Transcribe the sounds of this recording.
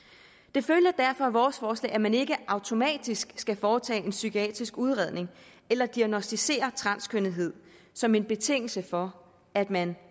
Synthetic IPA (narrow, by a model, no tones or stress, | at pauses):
d̥e̝føljɐd̥æɐfɒ̽ʋɒːsfɒːslɛ̰ːæmæne̝ɡ̥əʔɑ̈ʊt͡sʰo̝mɛ̰ːd̥isɡ̥sɡ̥æfɒːt͡sʰɛ̰ːe̝nsykʰiɛ̰ːd̥ʁisɡ̥uð̞ˠʁɛðˠne̝ŋ | elɐd̥iæɡ̥nosd̥ise̝̰ːɐt͡sʰʁɑ̈nskʰønð̩ˠɦe̝ð̞̰ˠ | sɒ̽me̝nb̥e̝t͡sʰe̝ŋ̰l̩səfɒ̽ | æd̥mæn